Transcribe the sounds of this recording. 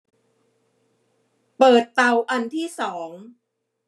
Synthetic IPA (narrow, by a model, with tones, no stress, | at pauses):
pɤː˨˩t̪ːa˧wʔa˧nt̪ʰiː˥˩sɔː˩˦ŋ